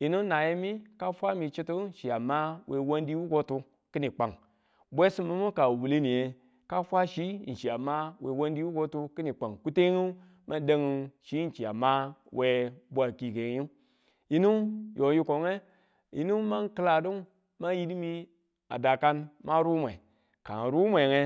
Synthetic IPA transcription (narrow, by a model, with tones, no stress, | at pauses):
ji˨nu˦na˨je˦mi˦ka˦fʷa˦mi˨t͡ʃi˦tu˦n̩˨ʃi˨a˨ma˦we˨wo˦ndi˦wu˦ɡo˦tu˧ | ki˦ni˨k͡pa˨ŋ | bʷe˦si˦mːu˦mu˦ka˨wu˨le˦ni˨je˨ | ka˦fʷa˦ʃi˦˨n̩˨ʃi˨a˨ma˦we˨wo˦ndi˦wu˦ɡo˦tu˦ki˦ni˨k͡pa˨ŋku˦te˦ŋu˦ | ma˦de˦ŋi˨ʃi˦n̩˦t͡ʃi˨a˨ma˦wʔe˨bʷa˨ki˨ɡe˨ŋ˦ji˦ | ji˦nu˦jo˨ji˦ko˨ŋe˦ | jḭ˨nu˦ma˦ŋkɨ˦la˨du˦ŋ | ma˦ji˦di˦mi˦ | a̰˨da˨ka˦nma˦ɾu˦mʷ˨e˨ | ka˨ɾu˦mʷe˨ŋe˨